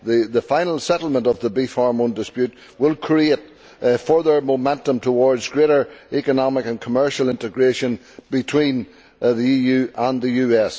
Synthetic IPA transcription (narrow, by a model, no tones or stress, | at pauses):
ðəðəfãɪ̃nl̩ˠsɛɾl̩ˠmə̃ntʌvðəbifɔɹmõndɨspjʉt̚ | wɪlˠkʰɹ̥iet̚ | fɜ˞ðə˞momɛ̃ntə̃mtʰəwɔɹdzɡɹeɾə˞ɛkənɑmɪkə̃nkʰəmɜ˞ʃəl̩ˠɪ̃ntɨɡɹeʃə̃n | b̥ɪtʰw̥ĩn | ðiijʉːʔə̃nðəjʉːɛs